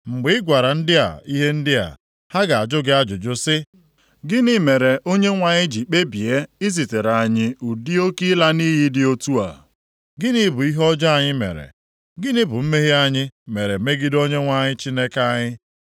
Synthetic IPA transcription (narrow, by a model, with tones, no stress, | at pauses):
ŋ͡m̩˨ɡ͡bɪ˦ɪ˦ɡʷa˨ɾa˨n̩˦dɪ˦a̰˨i˦ɦe˦n̩˦dɪ˦a̰˨ | ha˦ɡa˨a˨d͡ʒʊ˦ɡɪ˦a˦d͡ʒʊ˨d͡ʒʊ˦sɪ˦ | ɡɪ˦nɪ˦me˨ɾe˨ʔo˦ɲe˦ŋʷa˨ɲɪ˦d͡ʒi˨k͡pe˦bi˨e˦ɪ˦zi˨te˨ɾa˨ɲɪ˦u˨di˦o˦ki˦la˦niː˦ɦi˦dɪ˦o˦tu˦a̰˨ | ɡɪ˦ni˦bʊ˨i˦ɦɔ˦d͡ʒa˦a˨ɲɪ˦mḛ˨ɾḛ˨ | ɡɪ˦nɪ˦bʊ˨m̩˦me˦ɦe˦a˦ɲɪ˦me˨ɾe˨me˦ɡɪ˦do˦ɲe˦ŋʷa˨ɲɪ˦t͡ʃi˦ne˦ka˦ɲɪ˦